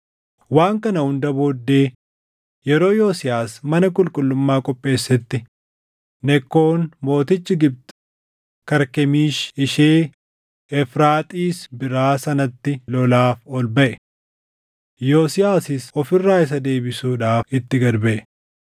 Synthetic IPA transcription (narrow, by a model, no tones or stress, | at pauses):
waːŋkɐnɐhʊnd̪ɐbo̞ːd̪ːe̞ː | jɛɾo̞ːjoːsɪjaːsmɐnɐkʼʊlkʼʊlːʊmːaːkʼɔpʼːe̞ːsːɛt̪ːɪ | nɛkːo̞ːnmo̞ːt̪ɪt͡ʃːɪɡɪb̚t̪ | kɐɾkɛmiːʃɪʃeː | ɛfɾaːt̪ʼiːsbɪɾaːsɐnɐt̪ːɪlɔlaːfɔlbɐʔɛ | joːsɪjaːsɪsɔfɪrːaːɪs̬ɐd̪e̞ːbɪsuːᶑaːfɪt̪ːɪɡɐɾbɐʔɛ